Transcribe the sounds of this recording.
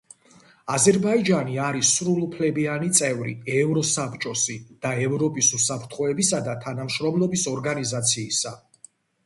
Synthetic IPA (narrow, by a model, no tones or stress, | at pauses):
azɛɾbaid͡ʒaniaɾisɾulˠupʰlɛbianit̪sʼɛvɾḭɛvɾɔsapʰt͡ʃʼɔsid̪̥aɛvɾɔpʼisusapʰɾt̪ʰχɔɛbisad̪at̪ʰanamʃɾɔmlɔbisɔɾɡanizat̪sʰiːsa